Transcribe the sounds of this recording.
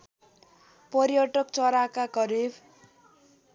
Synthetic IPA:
pʌɾjʌʈʌk̚t͡sʌɾakaɡʌɾib

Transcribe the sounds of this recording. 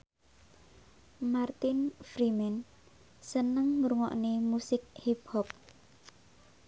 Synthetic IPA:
mart̪ɪnfɾimɛn | sənəŋmuɾuŋɔ̰ʔnemusɪk̚hip̚hɔp̚

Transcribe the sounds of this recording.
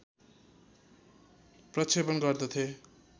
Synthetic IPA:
prʌt͡sʰebʌnɡʌrd̪ʌt̪ʰe

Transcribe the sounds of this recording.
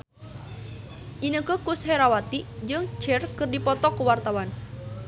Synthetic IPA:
ʔinəkəkushɛɾawat̪id͡ʒɨŋt͡ʃɛrkɨrdipɔt̪ɔkuwart̪awan

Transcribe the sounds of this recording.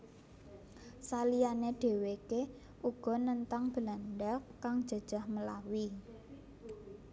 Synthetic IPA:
salijaneɖ̥e̤weke | ʔuɡ̥ɔ̤nənt̪aŋb̥ə̤lanɖakaŋd̥ʒ̥ä̤d̥ʒ̥a̤hməlawi

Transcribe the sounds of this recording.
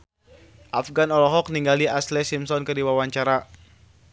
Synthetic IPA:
ʔafɡanɔlɔɦɔk̚niŋɡaliaslɛsimsɔnkədiwawaɲt͡ʃaɾa

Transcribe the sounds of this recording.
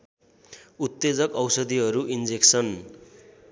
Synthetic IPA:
ut̪ːed͡zʌkʌwsʌd̪iɦʌɾuʔind͡zeksʌn

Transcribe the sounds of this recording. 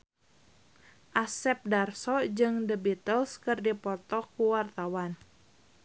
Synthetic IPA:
ʔasɛp̚darsɔd͡ʒɨŋdəbit̪əlskɨrdipɔt̪ɔkuwart̪awan

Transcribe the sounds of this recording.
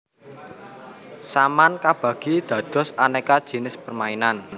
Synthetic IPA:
samankab̥ä̤ɡ̥id̪̥ä̤d̪̥ɔ̤sanekad̥ʒ̥i̤nɪspərmainan

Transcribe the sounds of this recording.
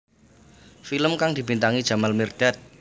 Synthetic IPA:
filəmkaŋd̥̪i̤bint̪aŋid̥ʒ̥a̤malmird̪̥a̤t̪̚

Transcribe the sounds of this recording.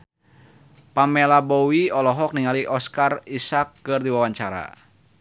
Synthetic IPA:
pamɛlabɔwiɔlɔɦɔk̚niŋaliʔɔskarisakːɨrdiwawaɲt͡ʃaɾa̰

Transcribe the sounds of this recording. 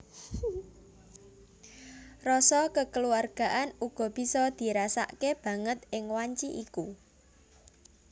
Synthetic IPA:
rɔsɔkəkəluarɡ̥a̤ʔanuɡ̥ɔ̤b̥i̤sɔd̪̥i̤ɾasa̰ʔkeb̥ä̤ŋət̪ɪŋwaɲt͡ʃiʔiku

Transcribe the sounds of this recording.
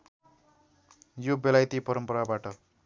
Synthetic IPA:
jobelajt̪ipʌɾʌmpʌɾabaʈʌ

